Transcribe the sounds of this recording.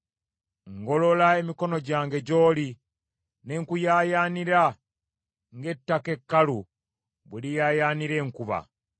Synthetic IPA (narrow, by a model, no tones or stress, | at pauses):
ŋɡo̞lo̞lae̞miko̞no̞ɟaːŋɡe̞ɟo̞ːli | ne̞ŋkujaːjaːniɾa | ŋɡe̞tːake̞kːalu | βulijaːjaːniɾe̞ːŋkuβa̰